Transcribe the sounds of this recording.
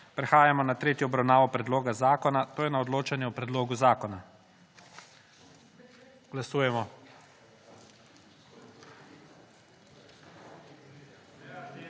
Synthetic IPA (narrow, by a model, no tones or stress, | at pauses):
pɾɛxaːjamɔnat̪ɾeːt̪jɔɔbɾawnaːʋɔpɾɛd̪loːɡazaːkɔnat̪oːjɛnaɔd̪loːt͡ʃanjɛɔpɾɛd̪loːɡuzaːkɔna | ɡ̥lasuːjɛmɔ